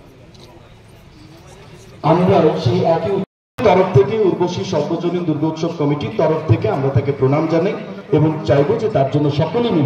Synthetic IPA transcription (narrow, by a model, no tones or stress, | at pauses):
amiɾaɾoʃiɛkiut̪ː | t̪ɔɾoft̪ʰekeuɾboʃiʃɔɾbod͡ʑonid̪uɾɡot̪ʃok̚kɔmiʈiɾt̪ɔɾoft̪ʰekeamɾat̪akepɾonamd͡ʑanajeboŋt͡ɕajbod͡ʑet̪aɾd͡ʑonːoʃɔkolini